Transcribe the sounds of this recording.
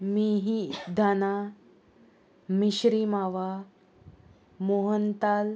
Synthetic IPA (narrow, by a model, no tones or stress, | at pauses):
miɦid̪ʱana | miɕɾiːmaʋa | moɦənt̪al